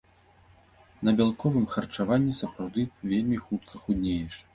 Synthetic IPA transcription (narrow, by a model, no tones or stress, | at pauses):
nɐbʲalˠkɔvɨmxɐrt͡ʂavanʲːisɐpɾawd̪ɨvʲelʲmʲixut̪̚kʰɐxud̪ʲnʲejɛʂ